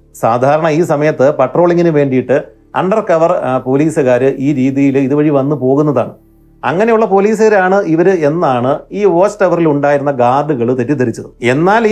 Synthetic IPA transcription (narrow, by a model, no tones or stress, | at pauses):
saːd̪ʱaːɾɐɳɐiːsɐmɐjɐt̪ːɨpɐʈro̞ːɭiŋːinɨʋe̞ːɳɖijiʈːɨ | ɐ̰ɳɖɐrkɐʋɐrpo̞ːliːsɐɣaːɾɨʔiːɾiːðijiliðɨʋɐɻiʋɐnːɨpo̞ːɣunːɐða̰ːɳɨ | ɐ̰ŋːɐne̞juɭːɐpo̞ːliːs̬ɐɣɐɾaːɳɨiʋɐɾɨe̞nːaːɳɨiːʋoːsʈɐʋɐriluɳɖaːjiɾunːɐɡaːrɖɨɣɐɭt̪etːit̪ːɐɾit͡ɕːɐðɨe̞nːaːlː